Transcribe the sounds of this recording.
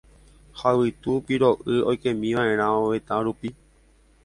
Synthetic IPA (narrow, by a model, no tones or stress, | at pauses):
hawɨt̪upiɾoʔɨojkẽmĩʋãẽɾ̃ãõʋet̪ãɾupi